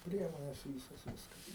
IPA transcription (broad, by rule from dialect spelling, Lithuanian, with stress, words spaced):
ˈpʲrʲiɛmoːnʲɛs ˈʋʲiːsoːs ˈʋʲɪskɐs